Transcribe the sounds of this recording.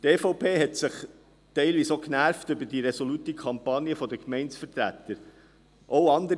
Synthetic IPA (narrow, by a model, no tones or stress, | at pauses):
teːfoʊpʰeːɦɛtsɪχ | tɛɪlʋiːsoknæɾftʏbədiɾɛsɔlutikʰɑmpɑnjəfɔd̪əkmɛɪnsfəɾt̪ɾæ̰t̪ːəɾ | ʔoʊɑnd̪əɾ